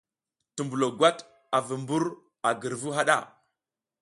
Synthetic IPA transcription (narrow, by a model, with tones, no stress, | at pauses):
tu˨mbu˨lo˨ɡwa˦t | a˨və˨mbu˦ɾ | a˨ɡə˨ɾvu˦ɦa˦ɗa̰˦˨